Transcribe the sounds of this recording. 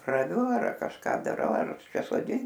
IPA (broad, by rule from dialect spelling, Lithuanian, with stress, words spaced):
rɐˈʋʲʊ ɐr kɐʃˈkɑː dɐˈrɐʊ ɐr kɐʃk soːˈdʲɪnt